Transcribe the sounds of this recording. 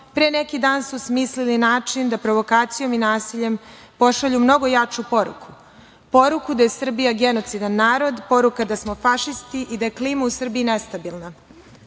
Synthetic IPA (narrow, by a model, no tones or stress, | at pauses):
pɾene̞kid̪aːnsusmislilinaːt͡ʃind̪apɾo̞ʋo̞kaːt̪sijo̞minaːsiʎe̞m | po̞ʃaʎumno̞ɡo̞jat͡ʃupo̞ɾṵkʰu̥ | po̞ɾukud̪aje̞sr̩bijaɡe̞no̞t̪sid̪anːaːɾo̞d̪po̞ɾukad̪asmo̞faʃist̪iʔid̪ajekliːmausr̩biːne̞st̪abilˠna